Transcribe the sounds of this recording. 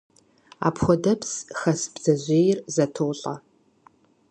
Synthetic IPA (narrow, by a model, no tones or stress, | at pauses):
a̰ːpxʷɔdɐpʰsxɐsbz̥ɐʑʷeːjɪrzɐtʰowɬʼɐ